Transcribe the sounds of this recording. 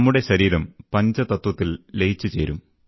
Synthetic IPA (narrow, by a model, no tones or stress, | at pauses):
mːuɽe̞ɕɐɾiːɾɐmpɐɲd͡ʑɐt̪ɐt̪wɐt̪ːillejt͡ɕːut͡ɕe̞ːɾum